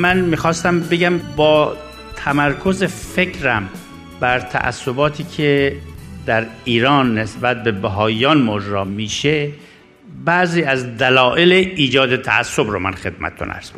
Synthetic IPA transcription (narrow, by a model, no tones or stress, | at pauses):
mænmiːxɒːst̪æmbeɡæmbɒː | t̪ʰæmæɾkʰo̞zefe̞kʰɾæm | bæɾt̪ʰæ̰ʔæ̰sːobɒːt̪ʰiːkʰed̪æɾiːɾɒːnːesbæt̪̚be̞bæɦɒːjjɒːnmod͡ʒɾɒːmiːʃe | bæʔziːæzd̪ælɒːʔeleʔiːd͡ʒɒːd̪et̪ʰæ̰ʔæ̰sːobɾomænxe̞d̪̚mæ̰t̪et̪ʰo̰nʔæ̰ɾz̥ɡo